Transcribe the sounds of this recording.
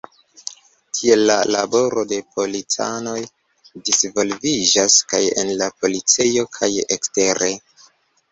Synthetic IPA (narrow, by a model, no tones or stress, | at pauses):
tʰie̞lːalabo̞ɾʔo̞de̞pʰo̞lit͡sa̰no̞j | disvo̞lvid͡ʒaskaje̞̰nlapo̞lit͡sejo̞kʰajekste̞ɾe̞